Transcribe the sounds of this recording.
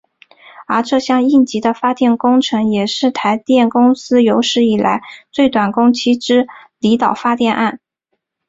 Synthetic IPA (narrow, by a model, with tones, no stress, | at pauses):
ə˞˧˥ʈ͡ʂɤ˥˧ɕjɑ˥˧ŋi˥˩nt͡ɕi˧˥d̪ə˧fa˥t̪jɛ˥˩nkʊ˥ŋʈ͡ʂʰɤ˧˥ŋjɛ˨˩ʂɻ̩˥˩t̪ʰa˧˥ɪt̪jɛ˥˩nkʊ˥ŋsɹ̩˥jo˧˥ʊʂɻ̩˥i˨˩lʔa̰˧˥ɪt͡swe˥˩ɪt̪wa˨˩nkʊ˥ŋt͡ɕʰi˥ʈ͡ʂɻ̩˥li˧˥t̪ɑ˨˩ʊfa˥t̪jɛ˥˧nʔa˥˩n